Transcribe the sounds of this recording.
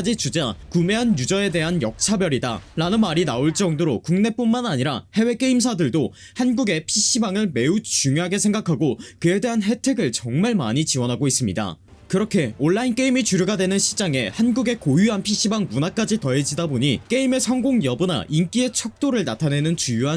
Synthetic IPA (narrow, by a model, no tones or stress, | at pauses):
d͡ʑit͡ɕud͡ʑakume̞ɦanjud͡ʑʌe̞de̞ɦanjʌk̚t͡ɕʰabjʌɾida̰ɾanɯnmaɾinaoɭt͡ɕ͈ʌŋdoɾokuŋne̞p͈unmanaɲiɾahe̞we̞k͈e̞ims̬ʰadɯɭdo | hanɡuɡe̞pʰiɕ͈ibaŋɯɭme̞ut͡ɕuŋjoɦaɡe̞sʰe̞ŋɡakʰaɡokɯe̞de̞ɦanɦe̞tʰe̞ɡɯɭt͡ɕʌŋmaɭmaɲit͡ɕiwʌnɦaɡois͈ɯmɲida̰ | kɯɾʌkʰe̞oɭːaink͈e̞imit͡ɕuɾjuɡadwe̞nɯnɕʰi̥t͡ɕ͈aŋe̞hanɡuɡe̞kojuɦanpʰiɕ͈ibaŋmunak͈ad͡ʑitʌe̞d͡ʑidaboɲik͈e̞ime̞sʰʌŋɡoŋjʌbɯna̰ʔink͈ie̞t͡ɕʰʌk̚t͈oɾɯɭnatʰane̞nɯnt͡ɕujuɦa